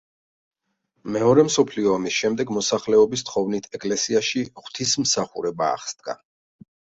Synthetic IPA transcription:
mɛɔɾɛmsɔpʰliɔamisʃɛmd̪ɛɡmɔsaχlɛɔbist̪ʰχɔvnit̪ʰɛkʼlɛsiaʃiχwt̪ʰismsaχṵɾɛba̰ːχsd̪̥̚ɡa̰

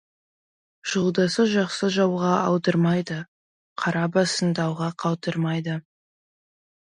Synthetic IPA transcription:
ʒ̥olˠd̪ɑsəʒɑqsəʒɑwʁɑɑwd̪əɾmɑjd̪ə | qʰɑɾɑbɑsənd̪ɑwʁɑqʰɑw̪ˠt̪əɾmɑjd̪ə

